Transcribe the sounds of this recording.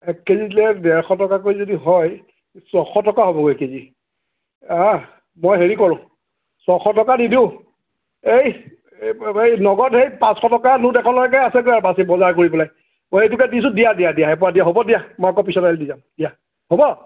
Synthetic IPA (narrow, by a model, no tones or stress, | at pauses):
ɛkːezilɛdɛɹxɔtɔkakojzodiɦɔj | sɔxɔtɔkaɦobɔɡejkezi | a | mojɦeɹikɔɹʊ̃ | sɔxɔtɔkanidiʊ | ej | ejnɔɡɔtejpãsxɔtɔkanũtɛkʰɔ̃nlɔɡɛkajasɛk̬ojaɹbasɛbɔzaɹkoɹipɔlaj | mojejtʊkɛdisʊ̃dijadijadijaɦɛp̬ɔɹadijaɦobɔdijamɔjakɔpisɔtaldizamd̥ija | hobɔ